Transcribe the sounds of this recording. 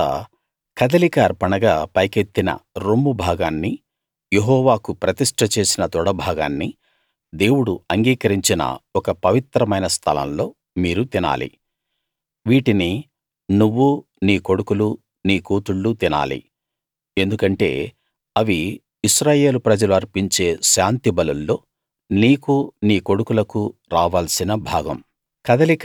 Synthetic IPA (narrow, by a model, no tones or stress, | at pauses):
kɐd̪ɐlikɐːɾpɐɳɐɡaːpɐjke̞t̪ːinɐ̰ɾomːubʱaːɡaːnːi | jeɦɔːʋaːkupɾɐt̪iʂʈʰɐt͡ʃe̞ːsinɐt̪ɔɽɐbʱaːɡa̰ːnːi | d̪e̞ːwuɽuɐŋɡiːkɐɾiɲt͡ʃinɐ̰ɔkɐpɐʋit̪ɾɐmɐjnɐst̪ʰɐlɐ̰mlo̞ː | miːɾut̪ina̰ːlḭ | ʋiːʈini | nuʋːu | niːko̞ɽukulu | niːkuːt̪uɭːut̪ina̰ːlḭ | e̞nd̪ukɐɳʈe̞̰ː | ɐʋiː | ʃɾaːje̞ːlupɾɐd͡ʒɐluɐɾpiɲt͡ʃe̞ːʃaːnt̪ibɐlulːo̞ː | niːkuniːko̞ɽukulɐkuɾaːʋaːlsinɐbʱaːɡɐ̰m | kɐd̪ɐlik